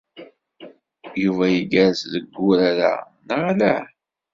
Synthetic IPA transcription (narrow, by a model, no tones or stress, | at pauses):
juvæjəɡæɾsðəɡːʊɾaɾa̰ | nəʁala